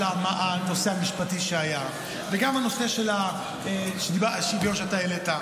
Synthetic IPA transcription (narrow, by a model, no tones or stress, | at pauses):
amaʔano̞seamiʃpatiʃeaja | veɡamano̞se̞ʃela | eʃbaʃibjonʃeat̪aeleta